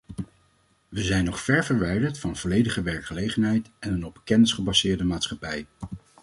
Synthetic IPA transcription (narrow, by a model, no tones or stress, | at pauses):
ʋəzɛjnɔχfɛɹvəɹʋɛjdəɹtfɑnvɔlejdəχəʋɛɹkχəlejχənɦɛjtɛnənɔb̚bəkɛnɪsχəbɑsɪːɹdəmaːtsχɑpɛj